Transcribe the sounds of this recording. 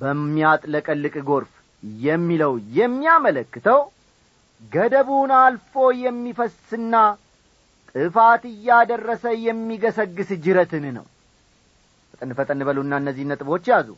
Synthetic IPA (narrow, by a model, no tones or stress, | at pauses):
b̥əmːiat̪ʼləkʼəlːɨkʼɡo̞ɾf | jɛmːiləwjɛmːiamələkːɨt̪ʰəw | ɡəd̪əβunalfo̞jɛmːifəsɨnːa | t̪ʼɨfat̪ɨjːad̪ərːəsəjɛmːiɡəsəɡːɨsd͡ʒɨɾət̪ɨnnə̰w | fət̪ʼənɨfət̪ʼənɨbəluɨnːaɨnːəzːihnət̪ʼɨbo̞t͡ʃːjazṵ